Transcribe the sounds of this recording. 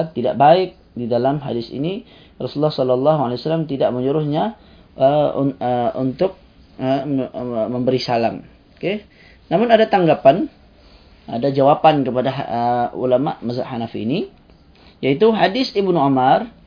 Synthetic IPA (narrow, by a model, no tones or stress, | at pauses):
t̪ːida̰ʔbaɪk̚didalamɦa̰dɪsḭni | rɔsulːɑhsɔlɔlːɑɦualewasalamt̪idaʔməɲuɾʊhɲa | ʔəuəṵnt̪ʊk̚ | ə | məmbəɾisalam | ke | namʊnadat̪aŋɡapan | a̰dad͡ʒawapankəpadaɦəṵlama̰ʔmaza̰ʔhanafḭni | jait̪uɦadɪsibnuumar